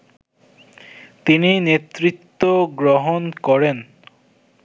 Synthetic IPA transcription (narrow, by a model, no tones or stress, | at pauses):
t̪ininet̪ːɾit̪ːoɡɾoɦonkɔɾen